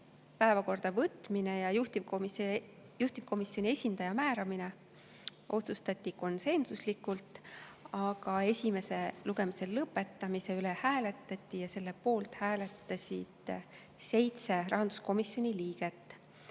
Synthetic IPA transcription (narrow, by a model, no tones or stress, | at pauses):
pæe̞vɑko̞rd̪̥ɑvɤt̪ːˑmine̞jɑjuht̪ivmi | juht̪ivkʰo̞misjo̞nʲie̞sʲind̪̥ɑjɑmæːɾɑmine̞ | ʔo̞t̪sust̪ɑt̪ʲːiko̞nse̞nsuslikːˑult̪ɑɡ̥ɑe̞sʲime̞se̞luɡe̞mise̞llɤpːe̞t̪ˑːɑmise̞ylehæːle̞t̪ːˑɑt̪ʲːˑijɑse̞lːe̞po̞ːlt̪hæːle̞t̪ːɑsʲid̪̥ | se̞jt̪se̞rʔɑɦɑnd̪̥u̥sko̞misjo̞nʲiliːɡ̥e̞t̪ːˑ